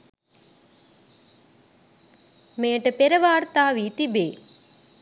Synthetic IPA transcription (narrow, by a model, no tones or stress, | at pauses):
meːʈəpeɾəʋaːɾt̪aːʋiːt̪ibeː